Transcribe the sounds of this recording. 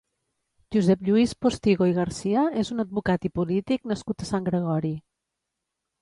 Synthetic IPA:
ʒuzɛpʎuispost̪iɣoiɣ̞əɾsiəezunəd̪̚βukat̪ipulit̪iknəskut̪əsaŋɡɾəɣ̞ɔɾi

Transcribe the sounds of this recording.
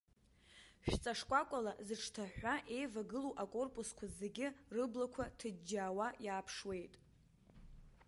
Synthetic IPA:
ʃᶣt͡sʼaʂkʷʼakʷʼalazɨʈ͡ʂʰtʰaħʷᶣaʔe̞jvaɡɨluʔakʼo̞rpʼuskʷʰaze̞ɡʲɪrɨblakʷʰatʰɨd͡ʒaːwajaːpʰʂwe̞jtʼ

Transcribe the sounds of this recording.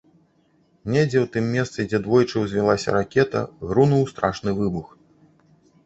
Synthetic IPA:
nʲɛd͡zʲɛwt̪ɨmːʲɛst̪sɨd͡zʲɛd̪vɔjt͡ʂɨwzʲvʲilˠasʲɐ̰ɾakʲɛt̪ɐ̰ɣɾunuwst̪ɾaʂnɨvɨbux

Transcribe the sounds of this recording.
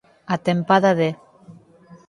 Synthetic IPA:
at̪empaðaðe

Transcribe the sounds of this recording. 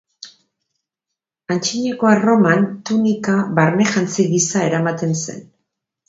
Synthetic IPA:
ant͡ʃiɲeko̞aro̞mant̪unikaβaɾne̞xʝant͡siɣisae̞ɾamat̪e̞nse̞̰n

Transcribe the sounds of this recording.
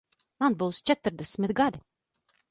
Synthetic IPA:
manbuwst͡ʃɛt̪ɨɾd̪ɛsmʲit̪ɡad̪i

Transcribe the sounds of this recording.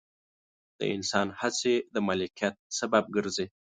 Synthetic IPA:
d̪̥ə̰ɪ̰nsɑnhat͡sed̪əmalikijat̪̚sabab̚ɡəɾze

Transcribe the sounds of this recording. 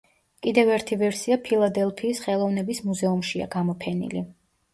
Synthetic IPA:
kʼid̪ɛvɛɾt̪ʰivɛɾsiapʰilˠad̪ɛlˠpʰiːsχɛlˠɔvnɛbismuzɛumʃia̰ɡamɔpʰɛnḭli

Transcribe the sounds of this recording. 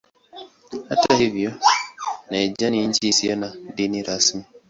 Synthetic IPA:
atahivionaed͡ʒanin̩t͡ʃisianadiniɾasmi

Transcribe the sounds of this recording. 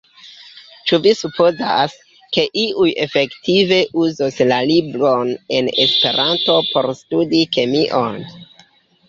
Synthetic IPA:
t͡ʃuvisupʰo̞zas | ke̞ʔiʔuje̞fe̞ktive̞ʔuzoslalibɾo̞ne̞ne̞spe̞̰ɾʔanto̞po̞ɾstudike̞miʔo̞n

